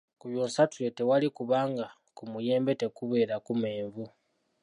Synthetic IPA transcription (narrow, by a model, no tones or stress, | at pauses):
kuβjoːnsatujetewalikuβaːŋɡa | kumuje̞ːmbe̞tekuβe̞ːɾakumeːɱvu